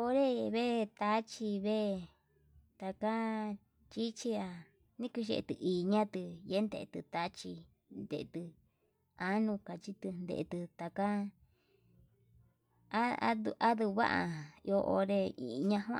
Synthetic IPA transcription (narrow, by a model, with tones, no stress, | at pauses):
o˧ɾe˦˧βe˦˧t̪a˦t͡ʃi˧βe˦˧ | t̪a˧ka˦ | t͡ʃi˦t͡ʃi˧a˧ | nĩ˦ku˧ʃḛ˧ʔḛ˧t̪ɨ˧ʔiː˨ɲã˦t̪ɨ˧je˦nd̪e˧ʔt̪ɨ˧t̪a˧˦t͡ʃi˧ | nd̪ḛ˨˧t̪ɨ˧ | a˦nũ˧ka˨t͡ʃi˧t̪ɨ˧nd̪ḛ˧ḛ˧t̪ɨ˧t̪a˧ka˦ | a˦a̰˦du˧ʔa˦ðu˧βa̰˦ʔa˧o˧ʔo̰˧ɾe˧ḭ˨˧ɲã˧ɦã˦